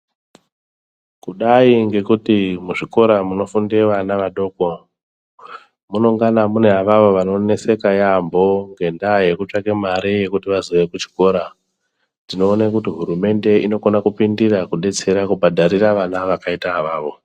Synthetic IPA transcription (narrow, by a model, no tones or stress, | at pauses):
kuɗaiŋɡe̞kutimuʐiko̞ɾamuno̞fundeʋanaʋaɗo̞ko̞ | muno̞ŋɡanamune̞ɦaʋaʋo̞ʋano̞ne̞se̞kajambo̞ŋɡe̞ndaje̞kut͡ʂakemaɾije̞kutiʋaziʋe̞kut͡ʃi̥ko̞ɾa | ndino̞ːnakutiɦuɾume̞nde̞ino̞konakupindirakuɗe̞t͡se̞ɾakubʱadʱaɾiraʋanaʋakaitaaʋaːʋo̞